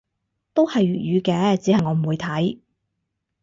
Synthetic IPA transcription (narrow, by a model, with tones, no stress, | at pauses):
t̪o˥whɐ˨jɥyː˨t̚jyː˨˧kɛː˧˥t͡siː˨˥hɐ˨jŋɔː˨˧m̩˨˩wu˨˧jt̪ʰɐ˨˥j